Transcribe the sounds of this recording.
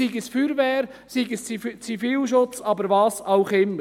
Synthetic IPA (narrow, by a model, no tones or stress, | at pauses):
iɡəsfyɾʋɛːɾ | siɡəst͡sit͡sifiːlʃ̬ʊt͡sɑbəɾʋɑːsɑʊχɪmə